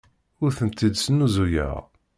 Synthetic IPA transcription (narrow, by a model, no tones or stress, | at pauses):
ʊɾθənt̪ːid̪sənːuzujə̰ʁ